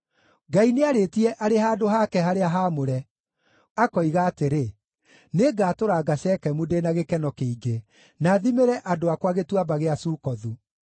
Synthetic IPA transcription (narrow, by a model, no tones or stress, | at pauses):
ɡaineaɾeːtiɛʔaɾehaːdoɦakɛɦaɾeaɦaːmoɾɛ | akɔiɣaːteɾe | neɡaːtoɾaɡaɕɛkɛmudenaɣekɛnɔkeiɡe | naːðimeɾɛʔadoakwaɣetwabaɣeasuːkɔðu